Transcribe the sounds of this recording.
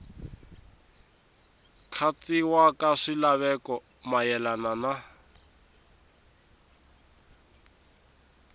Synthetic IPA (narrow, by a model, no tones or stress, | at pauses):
kʰat͡siwakaʂilaβɛkɔ | majɛlanana